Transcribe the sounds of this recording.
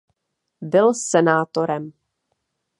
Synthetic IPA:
bɪlsɛnaːt̪o̞ɾɛm

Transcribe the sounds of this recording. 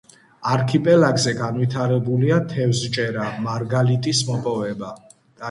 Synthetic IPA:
aɾkʰipʼɛlaɡzɛɡanwit̪ʰaɾɛbuliat̪ʰɛvzt͡ʃʼɛɾamaɾɡalit̪ʼismɔpʼɔvɛba | d̪̥a

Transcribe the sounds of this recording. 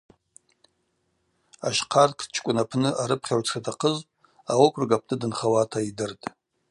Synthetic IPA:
aʃqʰarkʰt͡ʃʰkʷʼʊnapʰnɨʔaɾɨpʰχʲawt͡sʰratʰaqʰəzʼ | awakʷʰrɡapʰnɨdɨnχawatʰaidɨrtʼ

